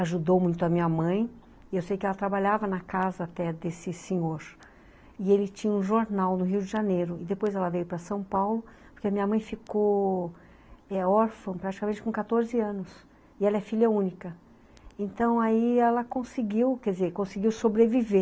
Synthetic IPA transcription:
aʒud̪owmũj̃t̪ʊɐmĩɲɐmɐ̃j̃ | ɪewsejkɪɛlɐt̪ɾabaʎavɐnɐkazɐːt̪ɛd̪esɪsẽɲoɾ | ɪelɪt͡ʃĩɲɐũʒoɾnawnʊɦiwd͡ʒɪʒanejɾʊɪd̪epojzɛlɐvejʊpɾɐsɐ̃w̃pawlʊpoɾkeɐmĩɲɐmɐ̃j̃fiko | ɛɔɾfɐ̃pɾat͡ʃikɐmẽnt͡ʃɪkõkat̪oɾzɪɐ̃nʊs | ɪɛlɐɛfiʎɐũnikɐ | ẽnt̪ɐ̃w̃aiɛlɐkõsɪɡiwkɛd͡ʒɪzeɾkõsɪɡiwsobɾevive

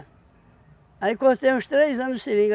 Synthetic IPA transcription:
ɐikõnd̪t̪ẽmuʃt̪ɾejzɐ̃nseɾĩŋɡ

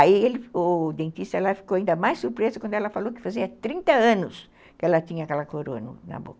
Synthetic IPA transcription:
aielɪʊd̪ẽnt̪ist̪ɐlafi̥kowaĩnd̪ɐmajsuɾpɾezɐkwɐ̃nd̪ʊɛlɐfalowkɪ̥faziɐt̪ɾĩnt̪ɐɐ̃nʊs | kɪɛlɐt̪ĩɲɐakɛlɐkoɾoɐnʊ̰nɐ̰bo̰kɐ

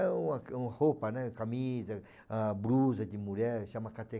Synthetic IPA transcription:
uaũhopanãkamiza | abɾuzad͡ʒimuɾɛɾʃamãkat̪e

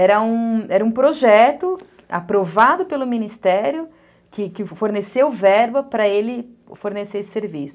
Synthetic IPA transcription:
ɛɾɐũɛɾɐũpɾoʒɛt̪ʊ | a̰pɾovad̪ʊpelʊminist̪ɛɾjʊ | kɪkɪfoɾnesewvɛɾbɐpɾɐelɪ | foɾnesesɪ̥seɾvisʊ̥

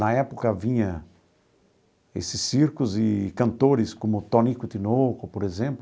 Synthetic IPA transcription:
nɐɛpʊkɐvĩɲɐ̃ | ḛsɪsːiɾkʊzɪkɐ̃nt̪oɾɪskõmʊt̪õnikʊt̪inokʊpoɾezẽmp

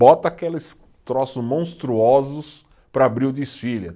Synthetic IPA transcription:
ɔt̪ɐakelɪs | t̪ɾɔsʊmõst̪ɾuɔzʊs | pɾɐabɾiʊd̪isfilɐ

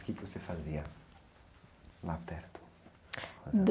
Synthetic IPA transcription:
kɪkɪosefaziɐ | lapɛɾt̪ʊ̥ | d̪

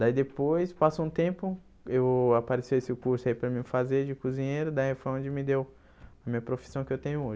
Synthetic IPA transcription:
d̪aid̪epojspasũt̪ẽmpʊ | ewapaɾesewesɪʊkuɾsʊaipɾɐmĩfazeɾd͡ʒɪkuzĩɲejɾʊd̪aefõõd͡ʒɪmɪd̪ew | ɐmĩɲɐpɾofi̥sɐ̃w̃kɪewt̪ẽɲʊoʒ

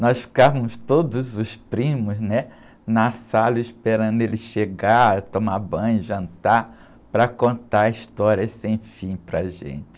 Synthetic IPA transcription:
nɔsfi̥kavɐmʊst̪od̪ʊzʊspɾĩmʊznɛ | nɐsalɐispeɾɐ̃nd̪ʊelɪʃeɡat̪omabɐ̃j̃ʒɐ̃nt̪a | pɾɐkõnt̪aist̪ɔɾiɐsẽj̃fĩj̃pɾɐʒḛ̃t͡ʃɪ̥

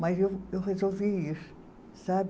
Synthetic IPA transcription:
mɐzewewʁezoviisu̥ | sab

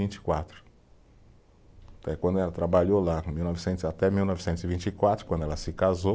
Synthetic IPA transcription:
ĩnt͡ʃi̥kwat̪ɾʊ̥ | t̪ɛkwɐ̃nd̪ʊɛlɐt̪ɾabaʎolãmiwnɔvɪsẽnt̪ʊzat̪ɛmiwnɔvɪsẽnt̪ʊzivĩnt͡ʃikwat̪ɾʊkwɐ̃nd̪ʊɛlɐsɪkazo

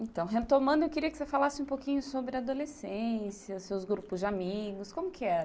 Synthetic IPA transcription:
ẽt̪ɐ̃w̃ɦet̪omɐ̃d̪ʊewkɪɾiɐkɪ̥sefalasɪũpokĩɲʊsobɾɪad̪olesẽsjɐsewzɡɾupʊzd͡ʒamiɡʊskõmʊkʰɪɛɐ

